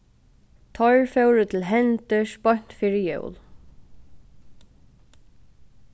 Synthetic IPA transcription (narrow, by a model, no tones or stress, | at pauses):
t̪ʰɔɹfɛwɾʏt̪ʰɪlɦɛnt̪əʂpɔjɲ̥t̪fiːɹɪjœ̰wl